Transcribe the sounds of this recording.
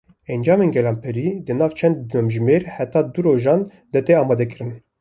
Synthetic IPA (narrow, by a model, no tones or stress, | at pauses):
ɛnd͡ʒɑːmeːnɡɛlɑːmpʰɛɾiːd̪ɨnɑːvt͡ʃʰɛnd̪ːmɛmʒmeːɾhɛt̪ɑːd̪uɾoːʒɑːn | d̪ɨt̪eɑːmɑːd̪ɛkɨɾɨn